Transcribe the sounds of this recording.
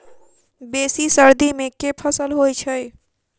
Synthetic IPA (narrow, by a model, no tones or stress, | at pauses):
besisəɾd̪imekepʰəsəlɦojt͡ʃʰəj